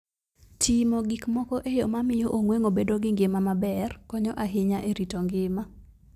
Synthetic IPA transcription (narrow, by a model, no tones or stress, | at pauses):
tʰimɔɡikmɔkɔʔejɔmamɪjoʔoŋweŋobedoɡɪŋɡɪmamabɛrkɔɲɔʔaɦɪɲaʔeɾitoŋɡɪma